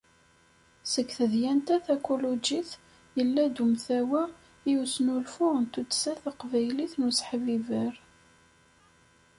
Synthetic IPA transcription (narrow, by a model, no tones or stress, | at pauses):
səkθəðjænt̪æθækulud͡ʒiθ | jəlːæd̪umθæwæ | jusnulfʊʁənt̪ut̪ːsæθəqvæjliθnusħvivəɾ